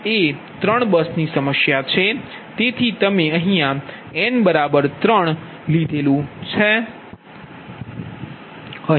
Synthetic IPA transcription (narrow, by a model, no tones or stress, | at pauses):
e | t̪ɾəɳ̃bəsnisəməʃjat͡ʃʰe | t̪et̪ʰit̪əmeə̃ɦĩjã | ɛnbəɾabəɾt̪ɾəɳ̃ | lid̪ʱelũt͡ʃʰe